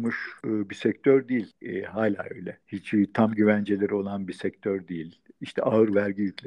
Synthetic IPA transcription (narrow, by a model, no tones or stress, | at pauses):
muʃɯːbisɛc̚ʲt̪ʰøɾd̪ijilʲhaːlʲaːø̞̰jlʲɛhit͡ʃbit̪ʰamɟyvænd͡ʒelʲeɾio̞lˠanbisɛc̚t̪ʰøɾd̪ijilʲiʃt̪ʰɛʔaɯɾvæɾɟijycʲlʲɛ